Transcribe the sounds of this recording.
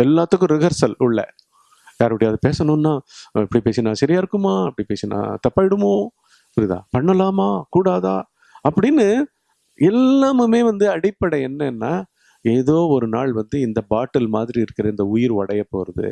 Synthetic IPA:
ɛlːaːt̪ːɯkːʊ̃ɾɪɣɐɾsɐlʊɭːɐ̰ | jaːɾpːɪɽiɐðɯpeːsɐnɯ̃nːaːɪpːɐɽipeːt͡ʃɪnãːsɐɾɪjaːɪɾɯkːɯmaːɪpːɐɽipeːt͡ʃɪnã̰ːt̪ɐpːaːɪɽɯmoː | ɪpːɐɽɪðã̰ːpɐɳːɐlaːmaːkuːɽaːða̰ː | ɐpːɐɽɪnːɯ | ɛlːaːmɯmeːʋɐnd̪ɯɐɽɪpːɐɽɐɛnːɐɛnːaː | eːðoːɔɾɯnaːɭʋɐnd̪ɯɪnd̪ɐbaːʈːɐlmaːðɪɾiɪɾɯkːɪɾɐɪnd̪ɐʊjɪɾʋɐɽɐjɐpːoːɾɐðɯ̰

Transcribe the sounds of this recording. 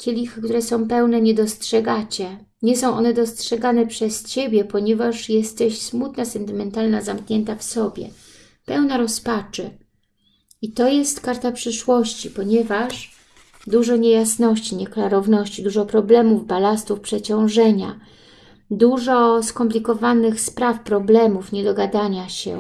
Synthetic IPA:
kʲelʲixɘkt̪uɾɛsɔ̃w̃pɛwnɛɲɛd̪ɔstʂɛɡat͡ɕɛ | ɲɛsɔ̃w̃ʔɔnɛd̪ɔstʂɛɡanɛpʂɛst͡ɕebʲjɛpɔɲɛvaʂjɛst̪ɛɕsmut̪nasɛnt̪ɘmɛnt̪alnazamkɲɛnt̪afsɔbʲjɛ̰ | pɛwnaɾɔspat͡ʂɛ | it̪ɔjɛst̪kaɾt̪apʂɘʂwɔɕt͡ɕipɔɲɛvaʂ | d̪uʐɔɲejasnɔɕt͡ɕiɲɛklaɾɔvnɔɕt͡ɕid̪uʐɔpɾɔblɛmuvbalast̪ufpʂɛt͡ɕɔ̃w̃ʐɛɲa̰ | d̪uʐɔskɔmp̬lʲikɔvanɘxspɾafpɾɔblɛmufɲɛd̪ɔɡad̪aɲaɕɛ̰

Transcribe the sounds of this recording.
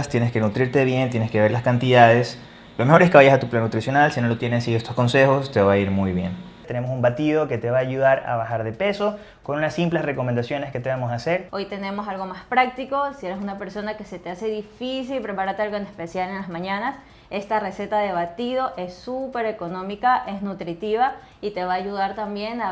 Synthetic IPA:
st̪je̞neske̞nut̪ɾiɾt̪e̞βje̞nt̪je̞neske̞βe̞ɾlaskant̪iðað̞e̞s | lo̞me̞xo̞ɾeskeβaʝasat̪uplanːut̪ɾisjo̞nalsino̞lo̞t̪je̞nesiest̪osko̞nse̞xo̞st̪e̞βaiɾmujβje̞̰n | t̪ene̞mo̞sumbat̪ið̞o̞ke̞t̪e̞βaːʝuðaɾa̰βaxaɾðe̞pe̞so̞ | ko̞nunasimplesre̞ko̞mẽnd̪asjo̞ne̞ske̞t̪eβamosaːse̞ɾo̞jt̪e̞ne̞mo̞salɣo̞maspɾak̚t̪iko̞sie̞ɾes̬unape̞ɾso̞nake̞set̪ease̞ðifis̬ilpɾe̞paɾaɾt̪ealɣo̞enespe̞sjale̞nlazmãɲanas | e̞st̪are̞se̞t̪aðe̞β̞at̪ið̞o̞ʔe̞sːupe̞ɾe̞ko̞nõ̞mikaʔe̞znut̪ɾit̪iβa | it̪e̞βaːʝuðaɾt̪ambje̞na

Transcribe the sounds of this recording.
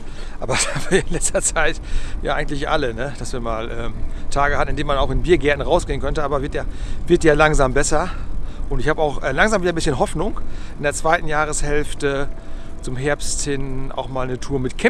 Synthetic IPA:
ʔaːbɐsaːmviːɪnlɛt͡stɐt͡saɪtja̰ːʔaɪɡŋ̩tlɪçʔa̰lənəd̥asv̥iːɐmaːlʔɛːmtʰaːɡəhatn̩ɪndeːmanaʊxɪnbiːɐɡɛɐtn̩ʁaʊsɡ̥eːənkœntəʔaːbɐvɪɐtjaːvɪɐtjaːlaŋzaːmbɛsɐʔʊntɪçhaːbaʊxʔɛːlaŋzaːmviːdɐbɪsçənɦɔfnʊŋʔɪndeːɐt͡sv̥aɪtn̩jaːʁ̞əshɛlftə | t͡sʊmɦɛɐpsthɪna̰ʊxmaːlnətʰuːɐmɪtkʰɛ

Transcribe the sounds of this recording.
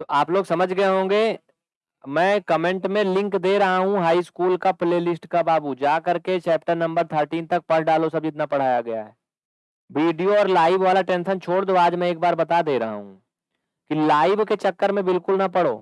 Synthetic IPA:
t̪oaːploːɡsɐməd͡ʒʱɡɐeɦõːŋɡeː | mɛ̃ːkɐmẽɳʈmẽlɪ̃ŋkd̪eːɾɐɦaɦũɦaːiskuːlkapɪleːlɪsʈkabaːbud͡ʒaːkɐɾket͡ʃɛːp̚ʈəɾnɐ̃mbəɾt̪ʰəɾʈiːnt̪ɐk̚pɐɽɖaːlosɐbɪt̪napɐɽ̤aːjaɡɐjaɦɛː | ʋiːɖijoɔːɾlaːɪʋʋaːlaʈẽːnʃənt͡ʃʰoːɽd̪oaːd͡ʒmɛ̃eːk̚baːɾbɐt̪ad̪eːɾɐɦa̰ɦṵ̃ | kilaːɪʋket͡ʃɐkːəɾmẽbɪlkʊlnɐpɐɽo̰ː

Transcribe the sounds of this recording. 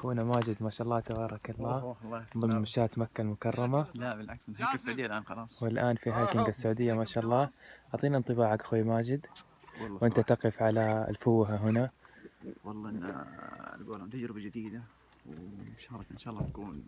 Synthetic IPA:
xuːnamaːd͡ʒɪd̪maːʃaʔɑlˤːɑːt̪abɑːɾˤɑkɑlˤːaː | mʃaːt̪makːalmʊkɑrˤːɑmalabɪlʕakshakːsːʕːd̪ɪjːalʔaːnxɑlɑːsˤwɪlʔaːnfiɦaːkɪŋɡasːaʕuːd̪ɪjːamaːʃaːʔɑlˤːɑːʔɑʕt̪ˤiːnaʔnt̪ˤɨbaːʕakʔaxwaːmaːd͡ʒɪd̪ | wlwʔɪnt̪at̪ɑqɪfʕala̰lfʊwːɦaɦʊna | wɑlˤːɑːʔɪnːa̰lɡoːlamt̪ad͡ʒɾɪbad͡ʒɪd̪iːd̪a | wmaʃaːhɾˤɑkʔanʃaːʔɑlˤːɑt̪akuːn

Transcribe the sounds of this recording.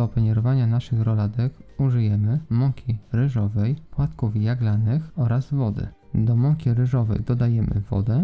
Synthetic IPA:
ɔpɛɲɛɾɔvaɲanaʂɘxɾɔlad̪ɛkuʐɘjɛmɘmɔŋkʲiɾɘʐɔvɛjpwat̪kufjaɡlanɘxɔɾazvɔd̪ɘ̰ | d̪ɔmɔŋkʲiɾɘʐɔvɛ̰jd̪ɔd̪ajɛmʔɘ̰vɔ̰d̪ɛ

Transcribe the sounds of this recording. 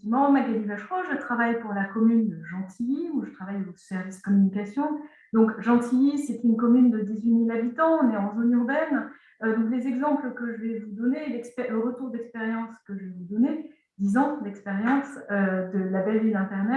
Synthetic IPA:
imɑ̃maɡalivaʃχoʒət̪χavajpuʁlakɔmynd̪əʒɑ̃t̪ʰijimwaʒət̪χavajosɛʁviskɔmynikasjɔ̃ | d̪ɔ̃kʒɑ̃t̪ʰijisɛt̪ynkɔmynd̪əd̪izɥimilabit̪ɑ̃ɔ̃nɛɑ̃zonyʁbɛn | d̪ɔ̃klezɛɡzɑ̃pləkəʒəvɛvud̪ɔnelɛkspɛləʁət̪uʁd̪ɛkspeʁjɑ̃skəʒəvɛvud̪ɔne | d̪izɑ̃lɛkspeʁjɑ̃sød̪əlabɛlvilɛ̃t̪ɛʁnɛ

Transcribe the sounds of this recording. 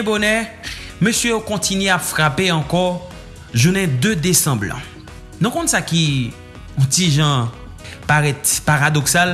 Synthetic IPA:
ɛ̃bonɛ̃møsjøjokɔ̃tinɥeapfʁapeɑ̃kɔ | ʒunɛ̃d̪ød̪esɑ̃blã̰ | nũkɔ̃nsaki | tiʒã | paʁɛt̪paʁad̪ɔksal

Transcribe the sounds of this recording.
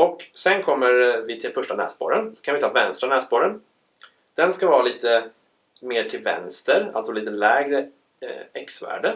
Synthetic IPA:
ɔksɛnkʰɔmːəɾvɪt̪ʰɪlfœʂʈanɛ̰ːsbo̰ːɾənkʰanvɪt̪ʰɑːvɛnst̪ɾanɛːspoːɾən | d̪̥ɛnskavɑːɾaliːt̪ə | meːʈʰɪlvɛ̰nst̪əɾa̰lt̪sɔliːt̪əlɛːɡɾə | ɛksvæ̰ːɖə

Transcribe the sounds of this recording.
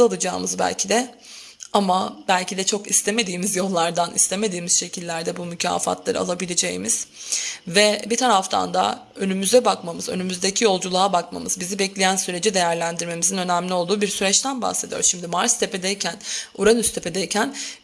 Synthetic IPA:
alˠɯd͡ʒaːmɯzbæ̰lʲcʰid̪ɛ | amab̥ælʲcid̪ɛt͡ʃʰo̞kist̪ʰe̞me̞d̪iːmizjo̞lˠːaɾd̪anist̪ʰe̞me̞d̪iːmizʃe̞cʰilʲːæɾd̪ɛbumycʰa̰ːfa̰t̪lˠaɾɯ̰a̰lˠabilʲe̞d͡ʒejḭmiz̥vɛbit̪ʰaɾaft̪ʰa̰nd̪a̰ | ø̞nymyzɛbakmamɯzø̰nymyzd̪ecʰijo̞lˠd͡ʒulˠaːabakma̰mɯzbizibɛclʲejænsyɾe̞d͡ʒid̪e̞jæɾlʲænd̪iɾme̞mizinø̞næmlʲio̞lˠd̪uːbiɾsyɾɛt͡ʃt̪ʰænba̰xse̞d̪ijo̰ɾsʃimd̪imaɾst̪ʰe̞pe̞d̪ejcʰænuɾanyst̪ʰe̞pʰe̞d̪ejcʰæn

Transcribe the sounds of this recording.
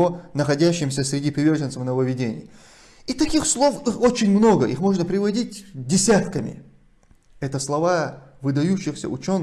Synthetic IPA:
onəxɐdʲæɕːɪmsʲəsʲɾʲɪdʲipɾʲɪvʲe̞rʐɨnt̪səfnəvəvʲɪdʲenʲɪ̰j | it̪ɐkʲixslˠo̞fixo̞t͡ɕɪnʲmno̞ɡəʔixmo̞ʐnəpɾʲɪvɐdʲit̚ʲdʲɪsʲat̪kəmʲɪ̰ | ɛt̪əslˠɐva | vɨd̪ɐjuɕːɪxsʲə̰ʊt͡ɕo̞nː

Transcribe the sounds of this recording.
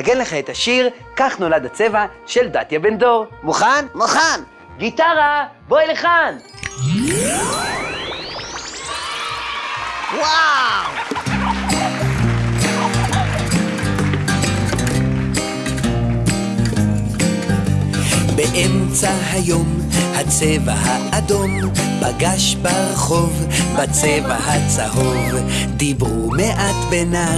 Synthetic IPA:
aɡenleχaetaʃiʁ | kaχno̞ladat͡se̞va | ʃeldat̪jabendo̞ʁmoχanmoχan | ɡitaʁa | boileχan | waw | beʔemt͡saɦajo̞m | hat͡seva̰ɦaʔːd̪o̞m | paɡaʃbaʁaχo̞vbat͡sevahat͡saho̞v | d̪ibʁumeʔat̪bena

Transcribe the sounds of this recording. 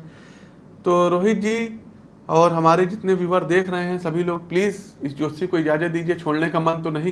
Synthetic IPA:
t̪oːɾoːɦɪt̪̚d͡ʒiː | ɔːɾɦɐmaːɾed͡ʒɪt̪neʋiʋəɾd̪eːkʰɾɐɦeɦɛ̃sɐbʱiloːɡ̚pliːzɪsd͡ʒoːt̪sikoɪd͡ʒaːzət̪̚d̪iːd͡ʒiet͡ʃʰoːɽnekamɐ̃nt̪onɐɦĩ

